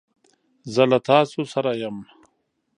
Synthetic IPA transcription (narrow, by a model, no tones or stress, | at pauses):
zɐlɐt̪aːsusɐɾajɐm